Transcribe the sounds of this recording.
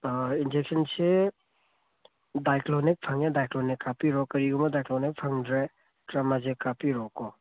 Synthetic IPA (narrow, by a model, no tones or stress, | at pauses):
ind͡ʒek̚sɐnse | dajklonik̚pʰɐŋedajklonikːapiɾɔkɐɾiɡumɐdajklonik̚pʰaŋdɾe | tɾɐmazekapiɾɔkɔ